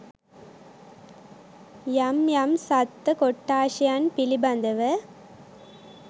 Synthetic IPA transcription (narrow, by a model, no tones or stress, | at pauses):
jɐmjɐmsɐt̪ːɐkɔʈːaːʂijanpɪlibɐnd̪ɐʋɐ